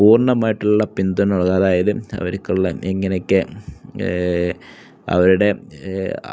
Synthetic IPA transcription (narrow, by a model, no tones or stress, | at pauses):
uːrɳɐmaːjiʈːuɭːɐpind̪unoɭɣaːðaːjɐðɨɐ̰ʋɐɾikʲːuɭːɐeŋːɐnekːɨ | ɐ̰ʋɐɾuɽe̞